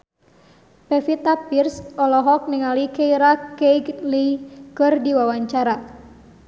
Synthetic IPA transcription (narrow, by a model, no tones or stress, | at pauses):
pefit̪apirsɔlɔɦɔk̚niŋalikejɾakejɡlikɨrdiwawaɲt͡ʃaɾa